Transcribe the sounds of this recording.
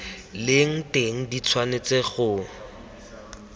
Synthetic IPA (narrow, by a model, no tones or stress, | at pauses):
lɪŋ̩teŋ̩dit͡sʰwanet͡seχʊ